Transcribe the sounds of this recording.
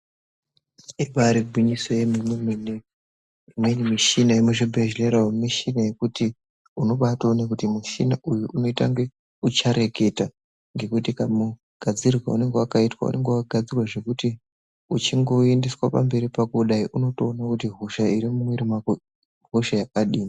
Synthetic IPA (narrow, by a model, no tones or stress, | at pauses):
eɓaɾiɡʱwiɲisojemimemene | mwenimiʃinajemuʃibʱeʒleɾawemiʃinaje̞kuti | uno̞ɓatonakutimiʃinaʔujuʔuno̞itaŋɡe̞ | ut͡ʃaɾe̞ke̞ta | ŋɡe̞kutikamu | ɡ̥ʱad͡zirrwa̰une̞ŋɡewakaitwa̰ṵnʔe̞ŋɡewakaɡʱad͡zirwaʐe̞kuti | ut͡ʃiŋɡo̞endiswapa̰mbe̞ɾipakuɗaiʔuno̞toːnakutiɦuʃaiɾimumweɾimak | ɦuʃajakaɗiːma